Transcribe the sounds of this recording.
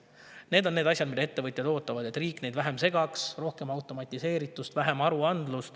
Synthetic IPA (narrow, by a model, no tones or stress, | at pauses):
ne̞ːd̪o̞nneːd̪ɑsʲjɑd̪mid̪ɑe̞t̪ːe̞vɤt̪ʲˑjɑd̪̥o̞ːt̪ːˑɑvɑd̪̥et̪riːkːˑne̞jd̪væɦe̞mse̞ɡ̥ɑksro̞hke̞mɑwt̪ˑo̞mɑt̪ʲˑːise̞ːɾit̪ːˑust̪væɦe̞mɑɾuɑnd̪̥lust̪